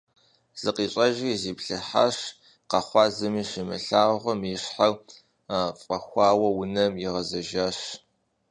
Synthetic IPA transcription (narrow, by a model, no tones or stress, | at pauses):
z̥ɨqʼiːɕʼɐʒiziːpɬɨħa̰ɕ | qɐχʷɑːzɨmiːʃɪmɨ̰ɬaːʁʷɔmjɪɕħaw | afʼɐxʷɑːwɐwʊnɐmjɪʁɐzɐʒaːɕ